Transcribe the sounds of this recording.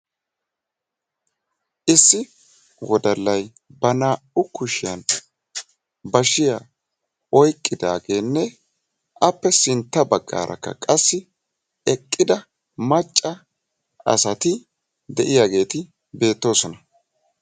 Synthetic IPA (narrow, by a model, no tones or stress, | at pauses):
ʔɪsːɪ | wɔd̪ɐlːɐj | bɐnaːʊkʊʃɪjɐn | bɐʃɪja | ɔjkʼːɪd̪a̰ːɡe̞ːnːɛ | ʔɐpːɛsɪnt̪ːɐbɐɡːa̰ːɾʔɐ̰kːɐ̰kʼɐsːɪ | ɛkʼːɪd̪ɐ | mɐt͡ʃʼːɐ | ɐ̰sɐt̪ɪ | d̪ɛʔɪjaːɡe̞ːt̪ɪ | be̞ːt̪ːo̞ːsɔnɐ